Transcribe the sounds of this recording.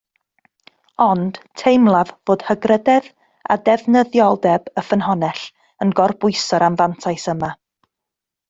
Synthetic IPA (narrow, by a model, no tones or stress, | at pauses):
ɔnd̥tʰejmlˠavvoːd̥həɡrədɛð | a̰dɛvnəðjɔlˠdɛbəfənɦɔnɛɬ | ənɡɔrbʊɨsɔɾamvantʰajsəma